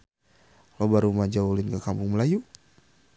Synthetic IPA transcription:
lobaɾumad͡ʒaulinkakampʊŋməlaju

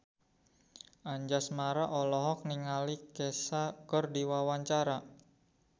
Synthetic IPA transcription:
ʔaɲd͡ʒasmaɾaʔɔlɔɦɔk̚niŋalikɛsakɔrdiwawaɲt͡ʃaɾa

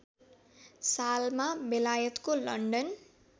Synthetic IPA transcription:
salmabelajʌt̪kolʌɳɖʌn

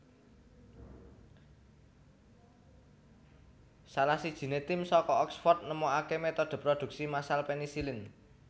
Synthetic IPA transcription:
salasid̥ʒ̥i̤net̪ɪmsɔkɔɔksfɔrt̪̚nəmoakemet̪ɔd̪̥ə̤pɾɔd̪̥ṳk̚simasalpenisilɪn

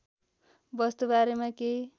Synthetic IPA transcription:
bʌst̪obaɾemake

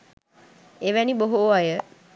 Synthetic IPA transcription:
eʋɛniboɦuajə

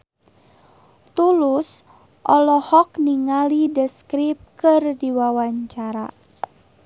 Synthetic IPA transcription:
t̪ulus | ʔɔlɔhɔkniŋalidəskɾip̚kɨrdiwawaɲt͡ʃaɾa̰

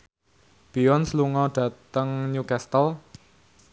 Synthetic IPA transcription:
b̥iɔnsluŋɔɖ̥ä̤t̪əŋɲukɛst̪əl

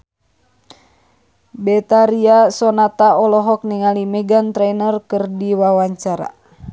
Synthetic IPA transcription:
bɛt̪aɾiasɔnat̪aɔlɔɦɔk̚niŋalimɛɡant̪ɾɛnərkɨrdiwawaɲt͡ʃaɾa̰

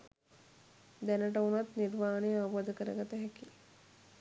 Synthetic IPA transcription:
d̪ænəʈəunat̪niɾʋaːnejauʋod̪əkəɾə̰ɡat̪əɦɛki

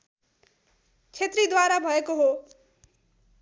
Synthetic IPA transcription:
t͡sʰet̪rid̪waɾabʱʌekoɦo

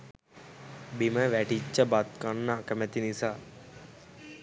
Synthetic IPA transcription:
biməʋæʈit͡ʃːəbat̪̚kanːəːkəmæt̪inisaː

